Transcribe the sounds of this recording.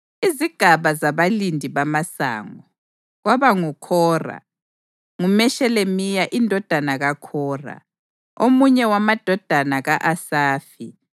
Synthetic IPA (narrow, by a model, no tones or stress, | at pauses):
iziɡ̥ʱaβazaβalindʱiβamasa̰ːŋɔ | ɣwaβaŋukʰɔːra̰ | ŋumɛʃɛlemijaʔindʱɔd̥ʱanaɣakʰɔːra̰ | omuɲɛwamad̥ʱɔd̥ʱanaɣaʔasaːfi